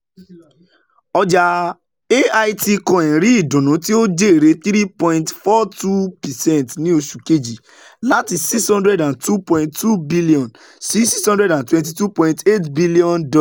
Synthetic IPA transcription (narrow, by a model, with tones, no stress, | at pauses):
ɔ˧d͡ʒa˧ | e˦a˧jti˧kɔ̃˨ɛ̃˨ɾi˦i˨dɔ̃˨nũ˨˦ti˦o˦de˦e˨ɾe˨˦θɾi˦pɔ̃˧ĩntfɔ˦tu˦pɛ˨sɛ̃˦ntnĩ˦o˧ʃu˨ke˦d͡ʒi˨ | la˦ti˨zsi˦kshɔ̃˦ndɾɛ˦dã˨ntu˦pɔ̃˦ĩnttu˦bi˦li˦ɔ̃˨n | si˦si˦shɔ̃ndɾɛ˦dã˨ntwɛ̃nt̬i˨tu˦pɔ̃˧ĩnte˦tbi˦li˦ɔ̃˦ndɔ˦la˨